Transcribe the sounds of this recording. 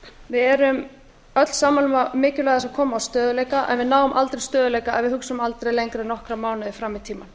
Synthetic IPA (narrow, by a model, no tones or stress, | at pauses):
vɪðɛɾʏm | œt̪l̥saːmalʏmamɪːcʏlajðasavkʰɔːmaːwst̪œːðʏleːjkaʔɛ̰nvɪnaːwʏmʔalt̪ɾejst̪œːðʏlejkaɛvɪðhʏksaʏmalt̪ɾejlejŋkɾaɾnɔhkɾamaːwnʏðɪfɾamːɪt̪ʰiːman